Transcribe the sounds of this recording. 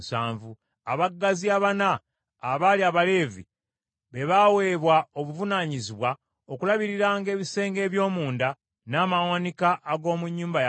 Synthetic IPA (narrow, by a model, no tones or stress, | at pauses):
saːɱvu | aβaɡːaziaβanaː | βaliaβale̞ːvḭ | βe̞βawe̞ːβwao̞βuvunaɲiziβwa | o̞kulaβiɾiɾaːŋɡe̞ːβise̞ːŋɡe̞ːβjo̞ːmuːnda | naːmawanikaʔːɡo̞ːmuɲːuːmbaj